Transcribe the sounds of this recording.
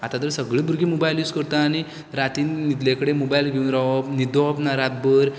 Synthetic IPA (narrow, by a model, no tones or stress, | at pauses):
at̪at̪əɾsəɡɭibʱuɾɡʱimobajluːskəɾt̪aːñi | ɾat̪iːnnit̪lekəɽemobajlɡʱeunɾaɔpnid̪ɔpnaɾat̪̚bəɾ